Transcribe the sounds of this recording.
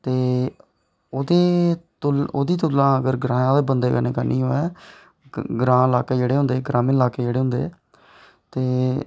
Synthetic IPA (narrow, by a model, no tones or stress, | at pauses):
t̪eː | oːd̪eːt̪ʊloːd̪iːt̪̬ʊlãːəɡəɾɡɾãːjãːd̪eːbənd̪eːkəneːkaːnḭ̃ːɦoːɛː | ɡɾãːɪlaːkeːd͡ʒeːɽeːɦʊ̃nd̪eːɡɾãːmẽːɪlaːkeːd͡ʒeːɽeːɦʊ̃nd̪ḛː | t̪eː